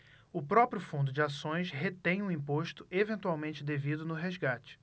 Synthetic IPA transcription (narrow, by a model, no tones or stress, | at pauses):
ʊpɾɔpɾjʊfũd̪ʊd͡ʒɪasõj̃sɦet̪ẽj̃ũĩpoʃt̪ʊevẽnt̪uawmẽnt͡ʃɪd̪evid̪ʊnʊɦezɡat͡ʃɪ̥